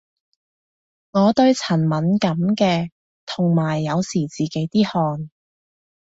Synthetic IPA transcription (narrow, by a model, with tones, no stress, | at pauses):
ŋɔː˨˧t̪ɵ˧ɥt͡sʰɐ˨˩nmɐ˨˥nkɐ˨˥mkɛː˧ | t̪ʰʊ˨˩ŋmaː˨˩jːɐ˨˧wsiː˨˩t͡siː˨ke˨˥jt̪iː˥hɔː˧n